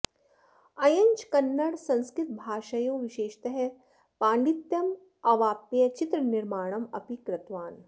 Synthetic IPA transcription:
ɐjɐɲt͡ʃkɐnːɐɽsɐ̃nskɾɪt̪̚bʱaːʃɐjõːʋɪʃeːʃt̪ɐɦɛ | paːɳɖit̪jɐm | ɐʋaːpjɐt͡ʃɪt̪ɾənɪɾmaːɽ̃ɐmɐpikɾɐt̪ʋaːn

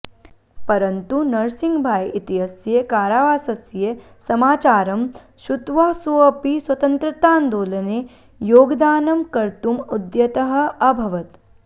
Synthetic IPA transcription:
pɐɾɐnt̪unɐɾsiŋɡbʱaːjit̪iɦɐsjekaːɾaːʋaːsɐsje | sɐmaːt͡ʃaːɾɐm | ʃut̪ʋaːsoɐpiswɐt̪ɐnt̪ɾɐt̪aːnd̪oːlɐne | joːɡd̪aːnɐmkɐɾt̪umud̪jɐt̪ɐɦɐ̆ɐbʱɐʋɐt̪

